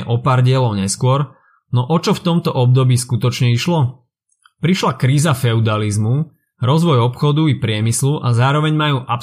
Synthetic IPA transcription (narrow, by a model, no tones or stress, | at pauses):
ɛ̰ʔɔpaːɾɟɪɛlɔʊɲɛskʊɔɾ | nɔʔɔt͡ʃɔft̪ɔmt̪ɔʔɔb̚d̪ɔbiːskut̪ɔt͡ʃɲɛiʃlɔ | pɾiʃlakɾiːzafɛud̪alizmu | ɾɔzʋɔjɔpxɔd̪uipɾɪɛmisluʔazaːɾɔʋɛɲmajuːʔap